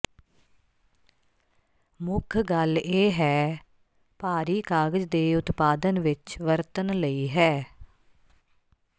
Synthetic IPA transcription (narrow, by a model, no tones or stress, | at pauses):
mʊkʰɡəleːɦɛː | paːɾiːkaːɡəd͡ʒd̪eːʊt̪paːd̪ənʋɪt͡ʃʋəɾt̪ənləiːɦɛː